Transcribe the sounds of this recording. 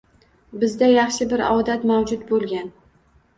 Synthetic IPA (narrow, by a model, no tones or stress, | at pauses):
bɪzd̪ajɑχʃɪbɪɾɒ̰wd̪at̪mawd͡ʒʊt̪bolˠɡʲan